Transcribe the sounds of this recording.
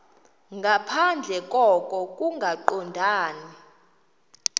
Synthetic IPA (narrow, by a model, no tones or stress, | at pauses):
ŋɡʱapʰand͡ɮʱɛkʼɔkʼɔkʼuŋɡʱaǃɔndʱaːni